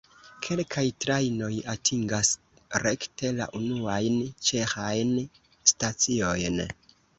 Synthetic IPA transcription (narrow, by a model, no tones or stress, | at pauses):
kʰe̞lkʰajtɾajno̞jatʰiŋɡas | ɾektʰe̞la̰ʔunuajnt͡ʃe̞xajn | stat͡sio̞jn